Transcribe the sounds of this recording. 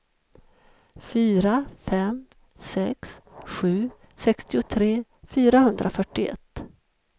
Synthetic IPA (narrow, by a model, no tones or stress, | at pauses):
fyːɾafɛm | sɛksɧʉ̟ː | sɛkst̪ɪʊt̪ʰɾeːfyːɾahɵnd̪ɾʔafœʈːɪɛ̰t̪ː